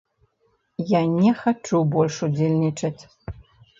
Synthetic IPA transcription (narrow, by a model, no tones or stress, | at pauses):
janʲɛxat͡ʂubɔlʲʂud͡zʲelʲnʲit͡ʂɐt͡sʲ